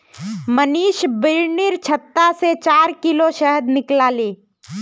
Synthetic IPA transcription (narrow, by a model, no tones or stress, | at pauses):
məniːʃbɪɾnɪɾt͡ʃʰət̪ːaset͡ʃaːɾkɪloʃɛɦəd̪nɪklaːleː